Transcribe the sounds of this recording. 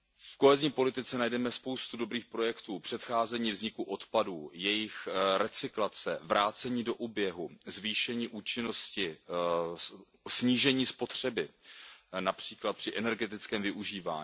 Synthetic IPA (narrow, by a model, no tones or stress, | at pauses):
fko̞ɦɛzɲiːpo̞lɪt̪ɪt͡sɛnajdɛmɛspo̞wst̪udo̞bɾiːxpɾo̞jɛkt̪uːpr̥ɛt̪xaːzɛɲiːvzɲɪkuʔo̞t̪paduːjɛjɪxɾɛt͡sɪklat͡sɛvɾaːt͡sɛɲiːdo̞ʔuːbjɛɦuzviːʃɛɲiːʔuːt͡ʃɪno̞scɪ | sɲiːʒɛɲiːspo̞t̪r̝̥ɛbɪ | napr̝̥iːklat̪̚pr̥ɪʔɛnɛɾɡɛt̪ɪt͡skɛːmvɪʔuʒiːva̰ːɲː